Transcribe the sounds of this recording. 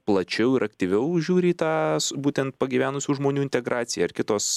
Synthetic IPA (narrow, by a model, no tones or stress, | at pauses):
plˠɐt͡ʃʲɛʊɪɾʔɐkt̪ʲiːʋʲɛʊʒʲuːɾʲiːt̪ɑːsbuːt̪ʲɛnt̪̚pɐɡʲiːʋʲæːnʊsʲuːʒmoːnʲuːɪnʲt̪ʲɛɡɾɑːtsʲɪjɛɐrkʲɪt̪oːs